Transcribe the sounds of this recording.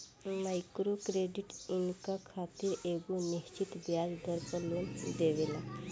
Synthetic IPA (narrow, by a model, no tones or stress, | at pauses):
majkɾokɾeɖiʈinkakʰat̪iːɾeɡuniɕt͡ɕit̪bjad͡zd̪əɾpəluːnd̪eʋela